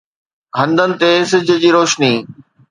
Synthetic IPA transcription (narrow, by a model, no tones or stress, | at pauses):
ɦɐ̃nd̪ʱənɪ̆t̪esɪd͡ʑʱʊ̆d͡ʑiːɾoːʃniː